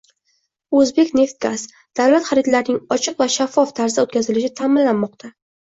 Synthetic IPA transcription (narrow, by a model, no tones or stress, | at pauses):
ɵzbe̞kʲne̞ft̪̚ɡaz | d̪̥awlat̪χaɾɪt̪laɾnɪŋɒt͡ʃʰɨqvaʃafːɒft̪ʰaɾzaot̪kʲazɪlɪʃɪt̪ʰaːmɪlːanmɒq̚t̪ʰa